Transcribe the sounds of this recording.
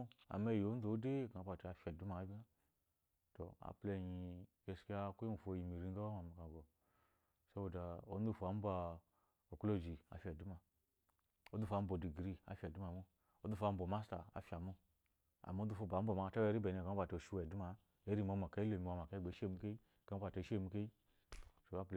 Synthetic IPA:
a̰˨me˦˨jo˨˦n˦o˨˦de˦˨ka˨o˦ba˨ti˨a˨fʲa˨du˦ma˨˦bʲa˦ | to̰˨a̰˨ple˧ɲi˧ | e˨ski˦a˦ku˦i˦nu˨fo˨ji˨mi˨ɾi˦ŋ˦ɡa˦ba˦ma˨ma˨ka˨ɡo˨ | so˦wo˨da˨o̰˨˦n˦u˦˨fo˨a˨˦m̩˦ba˧ | o˨klo˦˨d͡ʒi˨a̰˨fʲa˨du˦ma˨ | o˦du˨fa˧˦m̩˦bo˨di˨ɡɾi˦a̰˨fʲa˨du˦a˨mu˦ | o˦du˦fa˧˦m̩˦bo˨ma˦sta̰˨a̰˨fi˦˨a˨mu˦ | a̰˨m˦du˦fo˦ba˨˦m̩˦bo˨ma˨ta˦e˧˦ɾi˦be˨ne˨ka˦ba˨to˨ʃu˦we˨du˦ma˨ | e˦ɾi˦˨m˨o˧˨ma˨ka˦i˦le˨m˨wa˨ma˨ka˦ɡ͡be˨˦ʃe˦˨mu˦ke˦i˦ka˦o˦ba˨to˨˦ʃe˦˨mu˦ke˦i˦ | to˨˦a˦p

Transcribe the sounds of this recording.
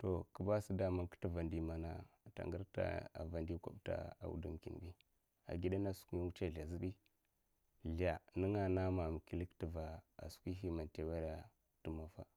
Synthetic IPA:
to˨kə˨ba˦si˦da˨ma˨nkə̥˦tə˦va˨ndi˨ma˨na˦˨ta̰˨ŋɡə˦ɾta̰˦a̰˨va˨ndi˦kʷa̰˦˨bta̰˨a̰˨wṵ˨dṵ˦mkḭ˨n˨bi˦ | a̰˨ɡi˦da˦na˦su̥˦ki˦u˦t͡ʃa˦˨ɮa˨zi˦bi˦ | ɮa˨nə˦ŋa˦˨na˦ma˨m˨ki˨li˦ktə˨va˨a̰˨skʷi˦ɦi˦ma˨nte˨wa˦ɾa˨ | tə˦ma˨fa̰˦

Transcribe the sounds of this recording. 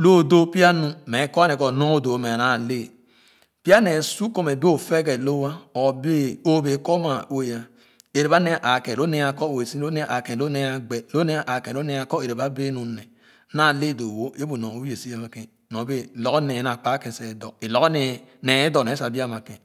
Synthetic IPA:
lo˦˨do˦pi˦a˦nũ˦me˨˦kɔ˦ne˨ko˨no˦do˨˦me˨na˨le˦ | pi˦a˦ne˨su˦ko˦me˨be˦o˦˨fe˦ke˨lo˦wa˦o˨be˦o˦be˨˦ko˦ma˨o˦˨ja˨ | e˨ɾe˨βa˦ne˦˨ʔa˨kẽ˨o˦ne˦a˨kɔ˦o˨e˨si˦o˦e˦˨ʔa˨kẽ˨lo˦ne˦a˨ɡ͡be˨lo˦ne˦˨ʔa˨kẽ˨o˦ne˦a˨kɔ˦e˨ɾe˨ba˦be˦nu˨ne˨˦ | na˦˨le˦˨do˨wo˦e˦bu˨nõ˨o˦e˨si˦a˨ma˨ke˨ | nõ˨be˦˨lo˦kne˨na˨k͡pa˦ke˨se˨dɔ̰˨e˨lo˦kne˨ne˨e˦dɔ˨ne˨˦sa˨bi˦a˦ma˨kḛ̃˨

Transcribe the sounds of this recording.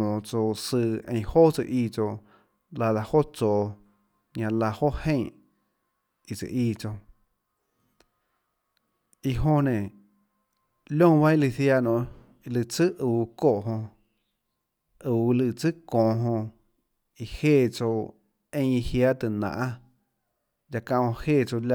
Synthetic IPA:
mɔ̃˨t͡so˧sɨ˧ḛ̃˧j̃hoː˦t͡sɨ̰˧ʔiː˧˨t͡so˧ | la˧ða˧ho˦t͡soː˨ | ɲã˧la˧ho˦hẽ˦˨ | i˨t͡sɨ̰˧˨ʔiː˧t͡so˧ | i˧ɦõ˧nẽ˨ | lʲõ˦˨˧βa˦i˦˧lɨ˧˨θja˧˨nõ˧˨ | i˧lɨ˧˨t͡sɨ˦ʔuː˨koː˦˨ʔɦõ˧ | uː˨˧lɨ˧˨t͡sɨ˦kɔ̃ː˨ɦõ˧ | i˧heː˦˨t͡so˧ | ẽ˧˦˧i˧hja˦t̪ɨ˧˨nã̰˨a˦ | ja˧kã˧˨˧hõ˧heː˦˨t͡so˧lʲa˧

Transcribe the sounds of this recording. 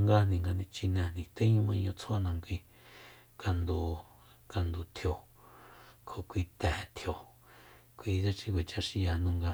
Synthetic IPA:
ŋɡa˧nĩ˨ŋɡa˧nĩ˧t͡ʃi˧nẽ˧˨nĩ˨t̪ẽ˦ɲũ˦mã˧ɲõ˧t͡sʰo˦a˦˧nã˧ŋkʷi˧ | ka˧nd̪u˨ | ka˧nd̪u˨t̪ʰjo˨ | kʰo˨kʷi˧t̪ɛ̃˨˧t̪ʰjo˨ | kʷi˧d͡ʒa˦t͡ʃi˦kʷwe˨t͡ʃa˦ʃi˧ja˧˨nũ˦ŋɡa˧

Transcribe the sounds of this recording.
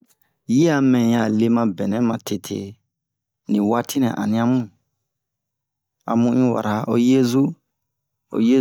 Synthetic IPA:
ji˦a˨mɛ̃˨ja˨le˧mã˧bɛ̃˨nɛ̃˨˦mã˨te˧tʰḛ˧ | nĩ˨wa˦tʰi˦nɛ̰̃˨ʔa̰˨nĩ˧a˧mũ˦˨ | a̰˨mũ˧˦ĩ˦wa̰˨ɾa˨o̰˦je˦zu˦ | o̰˨je˦

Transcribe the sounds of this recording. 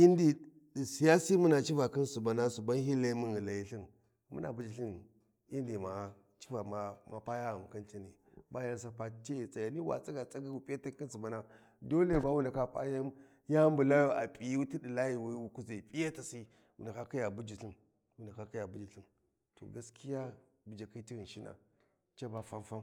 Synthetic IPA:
i˦ndi˨ | si˨ja˦si˦mu˦na˨t͡ʃi˦va˨ki˦nsu˨ba˨na˦su˨ba˦nhi˦la˦mu˦ni˨la˨ji˨ɬi˦n | mṵ˦na̰˨bu˦d͡ʒi˨ɬi˦n˨ | i˦ndi˨ma˨ | t͡ʃi̥˦va˨ma˨ma˨pa˦ja˦ɣa˨m˨ka˦nt͡ʃi˦ni˨ba˦ja˦s̬a˦pa˦t͡ʃe˦˨t͡sʼa˨ja˨ni˦wa̰˨t͡sʼa˦ɡa˨t͡sʼa˦ɡi˦u˨pʼi˦ja˦ta˦ki˦nsu˨ba˨na˦ | do˦le˦˨ba˦wu˦nda˨ka˦pa̰˦ja˦ | ja˦mbu˨la˦ju˦ʔa̰˨pʼi˨jti˦di˨la˦ji˨wa˦wu˦ku˦za˨pʼi˦ja˦ta˨si˦ | wu˨nda˨ka˦ka˦ja˨bu˦d͡ʒi˨ɬi˦n | wu˨nda˨ka˦ki˦ja˨bu˦d͡ʒi˨ɬi˦ | to̰˨ɡa˦skʰi˦ja˦ | bu˨d͡ʒa˨ki˦ti˦ɣi˨n˨ʃi˦na̰˨ | t͡ʃa˦ba˦fa˦mfa˦m

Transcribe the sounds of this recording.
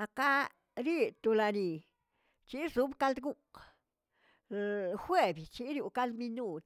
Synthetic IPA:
a˨˧ka˦ | ɾi˦t̪u˧la˧ni˨ | t͡ʃi˦su˦bka˦ld̪ɡu˦k | xwe˦bjt͡ʃi˦ɾju˧ka˦ld̪mi˧nu˦˧t̪

